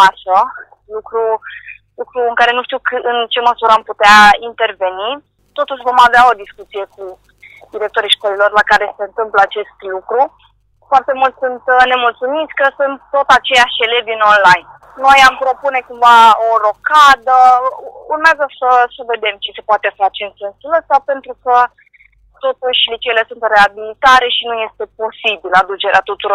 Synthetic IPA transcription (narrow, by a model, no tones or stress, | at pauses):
asə | lukɾu | lukɾuɨŋkaɾe̞nuʃt̪iwk̪ɨnt͡ʃe̞məsuɾəamput̪eaint̪e̞rve̞ni | t̪o̞t̪uʃvo̞maveao̞d̪iskut̪sije̞ku | d̪iɾe̞k̚t̪o̞ɾijʃko̞lilo̞rlakaɾe̞se̞ɨnt̪ɨmpləat͡ʃe̞st̪lukɾu | foart̪e̞mult̪ʲsunt̪ne̞mult̪sumit̪sʲkəsunt̪ːo̞t̪at͡ʃe̞jaʃelevino̞nlajn | no̞jampɾo̞pune̞kumvaoɾo̞kad̪ə | urmeazəsəsəve̞d̪e̞mt͡ʃise̞poat̪e̞fat͡ʃe̞ɨnsensuləsape̞nt̪ɾukə | t̪o̞t̪uʃʲlet͡ʃele̞sunt̪re̞abilit̪aɾe̞ʃinuje̞st̪e̞po̞sibilad̪ut͡ʃe̞ɾeat̪ut̪uɾo̞r